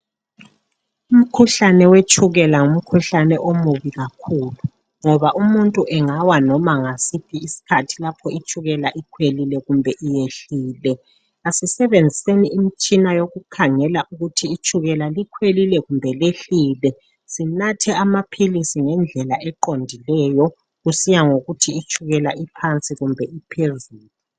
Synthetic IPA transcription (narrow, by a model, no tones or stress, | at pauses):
um̩kʰuɬanɛwet͡ʃʰʼuɣɛlaŋum̩kʰuɬanɛʔomuβiɣakʰuːlu | ŋɔβaʔumuntʼuʔɛŋawanɔmaŋasipʰiːsi̥kʰatʰilapʰɔit͡ʃʰʼuɣɛlaʔikʰwelilɛɣumbʱɛʔijeɬiːlɛ | asisɛβend͡zʱiseniːmit͡ʃʼinajoɣukʰaŋɛlaʔuɣutʰiːt͡ʃʰʼuɣɛlalikʰwelilɛɣumbʱɛleɬiːlɛ | sinatʰɛamapʰilisiŋɛnd͡ɮʱɛlaʔɛǃondʱilɛjɔ | ɣusijaŋoɣutʰiːt͡ʃʼʰuɣɛlaʔipʰant͡sʼiɣumbʱɛipʰezuːlu